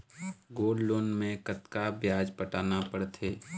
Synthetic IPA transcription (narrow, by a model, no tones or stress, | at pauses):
ɡoːlloːnmẽkət̪kabjaːd͡ʒpəʈaːnapəɽt̪ʰeː